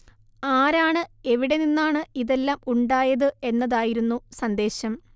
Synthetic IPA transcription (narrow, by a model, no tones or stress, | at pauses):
aːɾaːɳɨe̞ʋiɽe̞ninːaːɳɨiðe̞lːaːmuɳɖaːjɐðɨe̞nːɐðaːjiɾunːusɐnd̪e̞ːɕɐm